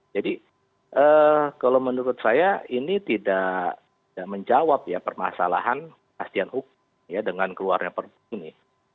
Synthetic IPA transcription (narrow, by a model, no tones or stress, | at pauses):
d͡ʒadi | ʔəkalawmənuɾʊt̪̚sajainit̪idat̪idaʔməɲd͡ʒawap̚japərma̰sa̰la̰ɦan | əast̪ianhuk̚ʊ | mjadəŋankəlua̰rɲapərpunɪ